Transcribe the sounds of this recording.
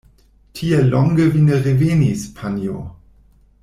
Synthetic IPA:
tʰielɔŋɡəvineʁevenispʰanjo̰

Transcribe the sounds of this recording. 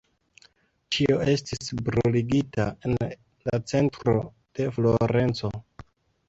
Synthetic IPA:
t͡ʃioʔe̞stisbɾuliɡita̰en | lat͡se̞ntɾo̞ | d̥e̞flo̞ɾe̞nt͡so̞

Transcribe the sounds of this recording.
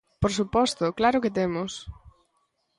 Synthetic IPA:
poɾsupɔst̪ʊklaɾʊkɪt̪emʊs

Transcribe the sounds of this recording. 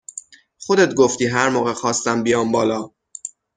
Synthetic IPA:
xod̪et̪̚ɡoft̪iːɦæɾmɒːɣexɒːst̪æmbijɒːmbɒːlɒː

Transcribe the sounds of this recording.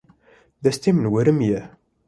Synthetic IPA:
ðæst̪ːimənwəɾəmjæ

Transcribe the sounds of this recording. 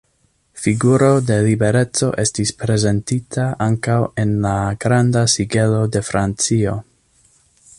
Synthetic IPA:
fiɡuɾo̞de̞libe̞ɾe̞t͡so̞̰ʔe̞stispɾe̞ze̞ntitʰaʔaŋkawe̞nlaɡ̥ɾandasiɡe̞lo̞de̞fɾant͡sio̞

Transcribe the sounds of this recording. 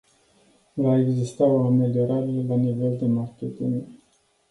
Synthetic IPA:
vae̞ɡzist̪aoame̞lio̞ɾaɾelanive̞ld̪e̞markʲet̪iŋ

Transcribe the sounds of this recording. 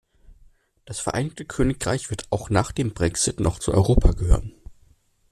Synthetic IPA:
d̥asfɛɐʔa̰ɪnɪç̚təkʰøːnɪkʁ̥a̰ɪçv̥ɪɐtʰaʊxnaːχd̥eːmbʁɛkz̥ɪtnʔɔχt͡suʔɔ̰ʏʁoːpʰaɡəhø̰ːʁən

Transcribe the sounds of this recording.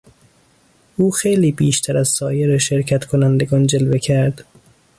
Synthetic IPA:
ʔuːxejliːbiːʃt̪ʰæɾæzsɒːjeɾeʃe̞ɾcʰæt̪kʰonænd̪eɡɒːnd͡ʒelvecʰæɾd̪̥

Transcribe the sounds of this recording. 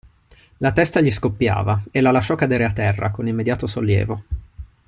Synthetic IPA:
lat̪ɛst̪aʎiskopːja̰ːvaelːalaʃːɔkːad̪eːɾeat̪ːɛrːa̰konimːed̪jaːt̪osolːjɛ̰ːvo

